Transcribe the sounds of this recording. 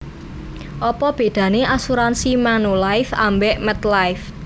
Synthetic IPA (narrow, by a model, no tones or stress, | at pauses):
ʔɔpɔb̥e̤d̥ä̤neʔasuɾansimanulajfa̰mbɛʔmɛt̪lajf